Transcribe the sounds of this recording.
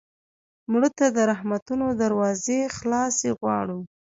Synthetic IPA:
mɽət̪ad̪əɾahmat̪unod̪aɾwɑzexlɑseɣwɑ̰ɽu

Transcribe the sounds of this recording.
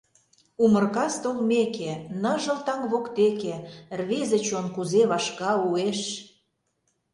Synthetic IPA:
umərkɑst̪olmekenəʒə̆lt̪ɑŋβokt̪ekerβezə̆t͡ɕonkuzeβɑʃkɑueʃ

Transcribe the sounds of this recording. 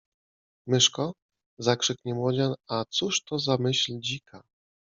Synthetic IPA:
mɘʂkɔ | zakʂɘkɲɛmwɔd͡ʑanat̪suʂt̪ɔzamɘɕlʲd͡ʑikʰa

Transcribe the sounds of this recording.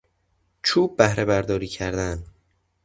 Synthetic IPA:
t͡ʃʰuːb̚ːæhɾe̞βæɾd̪ɒːɾiːcʰæɾd̪æn

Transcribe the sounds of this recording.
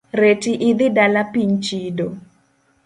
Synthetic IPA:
ɾetiʔɪd̪ɪdalapiɲt͡ʃido

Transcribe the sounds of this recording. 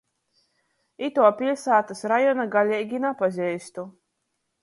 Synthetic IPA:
it̪uɔpʲilʲsaːt̪ɨsɾajɔnaɡalʲɛɡʲinapazʲɛjst̪u

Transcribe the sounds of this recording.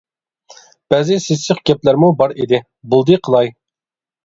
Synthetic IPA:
b̥æzɪseəχɡʲɛplæɾmubɑɾid̪ɪ | bulˠd̪ɨqʰəlˠɑj

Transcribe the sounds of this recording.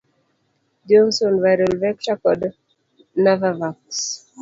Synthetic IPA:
d͡ʒɔnsɔnvajɾɔlvɛk̚t͡ʃakɔd | navavaks

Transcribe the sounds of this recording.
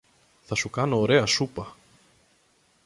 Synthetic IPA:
θasukanaɾeːasuːpa

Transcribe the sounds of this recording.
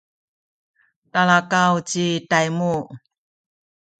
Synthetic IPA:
talakawt͡ɕitajmu

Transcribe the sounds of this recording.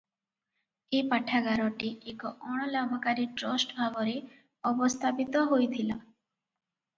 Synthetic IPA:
epaʈʰaɡaɾɔʈiekɔʔɔɽ̃ɔlabʱɔkaɾiʈɾɔsʈbʱabɔɾe | ɔbɔst̪ʰapit̪ɔɦojt̪ʰilɔ

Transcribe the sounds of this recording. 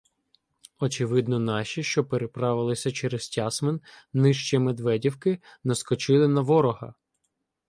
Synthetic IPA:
ɔt͡ʃɪʋɪd̪nɔnɑʃʲiʃt͡ʃɔpeɾepɾɑʋɪlˠɪsʲɐt͡ʃɛɾestʲɑsmen | nɪʃt͡ʃimed̪ʋɛdʲiwkɪnɐskɔt͡ʃɪlˠɪnɐʋɔɾɔɦɐ̰

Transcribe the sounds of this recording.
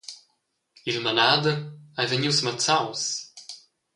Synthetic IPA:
ilmanad̪əajvəɲiwsmət͡saws

